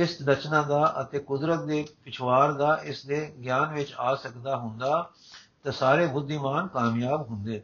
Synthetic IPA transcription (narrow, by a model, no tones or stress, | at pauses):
ɪsd̪ət͡ʃnãːd̪aːʔət̪eːkʊd̪ɾət̪̚d̪eːpɪt͡ʃʰʋaːɾd̪aːʔɪsd̪eːɡjaːnʋɪt͡ʃaːsəkd̪aːɦʊ̃nd̪aː | t̪ẽːsaːɾeːbʊd̪ːiːmaːnkaːmjaːbɦʊnd̪eː